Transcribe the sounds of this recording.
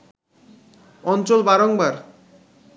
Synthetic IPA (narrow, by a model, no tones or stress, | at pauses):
ɔnt͡ɕolbaɾoŋbaɾ